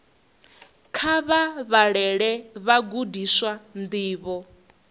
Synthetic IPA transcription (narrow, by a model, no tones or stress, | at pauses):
kʰaβaβaɺɛɺɛβaɡudiswand̪iːβɔ